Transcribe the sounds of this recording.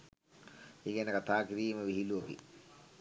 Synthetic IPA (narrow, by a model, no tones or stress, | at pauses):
eːkænəkat̪aːkiɾiːməʋiɦiluopḭ